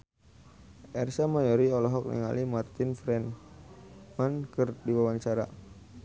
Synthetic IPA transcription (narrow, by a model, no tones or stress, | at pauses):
ʔɛrsamajɔɾiɔlɔɦɔk̚nḭŋa̰limart̪infɾɛn | mankərdiwawaɲt͡ʃaɾa